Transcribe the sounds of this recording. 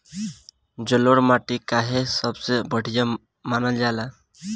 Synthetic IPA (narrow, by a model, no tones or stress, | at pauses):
d͡ʒəloɽmaʈikaɦesəbsebəɽ̤ija | manəld͡ʒala